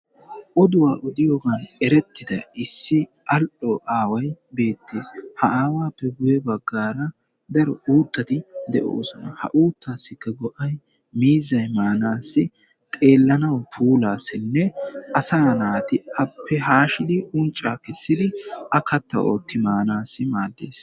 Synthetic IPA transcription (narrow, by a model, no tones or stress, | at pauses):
ʔɔd̪ʊwaːʔɔd̪ɪjoːɡɐnɛɾɛt̪ːɪd̪ɐɪsːɪ | ʔɐlʔɔʔaːwɐjbe̞ːt̪ʰːeːshɐʔaːwaːpːɛɡʊjɛbɐɡːaːɾɐ | d̪ɐɾɔ̰uːt̪ːɐt̪ɪd̪ɛʔo̞̰ːsɔnɐhɐ̰ʔuːt̪ːaːsːɪkːɐɡɔʔɐj | miːzːɐjmaːnaːsːɪ | t̪ʼe̞ːlːɐnɐwpʰuːlaːsɪnːɛɐsaːnaːt̪ɪʔɐpʰːɛɦaːʃɪd̪ɪʔʊnt͡ʃʼːaːkɛsːɪd̪ɪʔɐkɐt̪ːɐ̰ʔoːt̪ːɪmaːnaːsːɪmaːd̪ːḛːs